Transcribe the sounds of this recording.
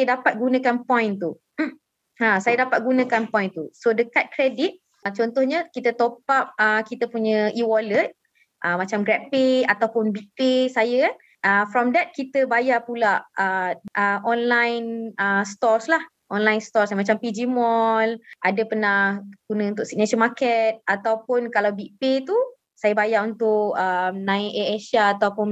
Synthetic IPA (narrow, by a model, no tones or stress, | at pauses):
dapat̪̚ɡunə̃kanpɔ̃jnt̪u | m̩ | ãsajədapat̪̚ɡunə̃kanpɔ̃jnt̪usodəkat̪̚kɾedit̪̚ | t͡ʃɔnt̪ʊhɲəkit̪ət̪opap̚əkit̪əpuɲəʔiwɔlət̪̚ | ʔəmat͡ʃamɡɾɛpiat̪awpʊnbipesajə | ʔəfɾɔmdɛt̪̚kit̪əbajapulaʔəʔəʔɔnlajnəst̪ɔrslah | ʔɔnlajnst̪ɔɾsmat͡ʃampid͡ʒimɔlʔadəpənahɡ̥unə̃unt̪ʊʔsik̚nesɔnmakɛt̪̚at̪awpʊnkalawbiʔpet̪u | sajəbajaʔunt̪ʊʔəmnãɪʔeeʃaːt̪awpʊn